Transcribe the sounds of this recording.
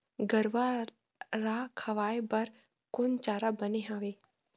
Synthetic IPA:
ɡəɾʋa | ɾakʰɐʋaːebɐɾ | kʊnt͡ʃaːɾabəneɦaʋeː

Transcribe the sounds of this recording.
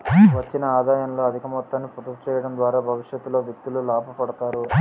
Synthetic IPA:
ʋɐt͡ʃːinɐaːd̪aːjɐnlo̞ːɐd̪ʱikɐmɔt̪ːɐnːiput̪ːɐkut͡ʃɛːjɐɽɐnd̪ʋaːɾaːbʱɐʋiʂjɐt̪ːuloːʋjɐk̚t̪ululaːpupɐɽɐt̪aːɾu

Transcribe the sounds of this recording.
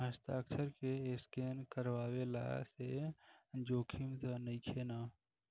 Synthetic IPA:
əst̪aksəɾkeeskeːnkəɾwaːwela̰se | d͡ʒoːkʰimt̪nəikʰeːnaː

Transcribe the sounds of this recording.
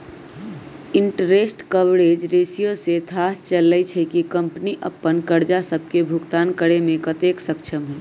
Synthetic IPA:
ɪɳʈɾesʈkəʋɽed͡ʒɾesijoset̪ʰast͡ʃəlːət͡ʃʰɛkikəmpniʔəpːənkəɾd͡ʒasəb̚ʱkebʱʊɡt̪aːnkəɾemẽkət̪eksəkt͡ʃʰəmɦɛː

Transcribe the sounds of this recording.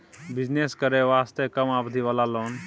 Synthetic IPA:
bid͡ʒneskəɾeʋast̪ekəmabd̪ʱiʋalalon

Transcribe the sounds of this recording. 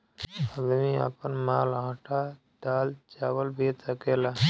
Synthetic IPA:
əd̪mia̰pənmaːlãːʈʰa | d̪aːlt͡ʃaːwəlbʱet̪əkeːlaː

